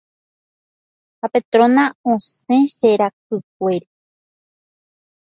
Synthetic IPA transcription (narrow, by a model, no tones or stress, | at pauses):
hapet̪ɾõnãõsẽʃeɾak̚ɨk̚ʷeɾe